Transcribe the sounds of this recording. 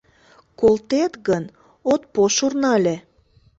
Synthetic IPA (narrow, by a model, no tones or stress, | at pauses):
kolt̪et̪ɣən | ot̪̚poʃurnɑlʲe